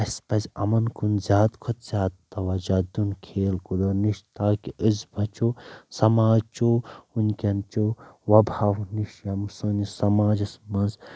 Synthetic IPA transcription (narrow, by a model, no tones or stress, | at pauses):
ɐsʲpɐsʲɐ̰mɐnkʰunzʲaːd̪kʰot̪z̥ʲaːd̪t̪ɐʋaːd͡ʒaːd̪unkʰeːlkud̪ɐniʃt̪aːkiɨzbʱɐt͡ʃoːsɐmaːt͡ʃoːunkʲɐnt͡ʃoʋɐbʱaːʋniʃjɐmsunisɐmaːd͡ʒɐsmɐnz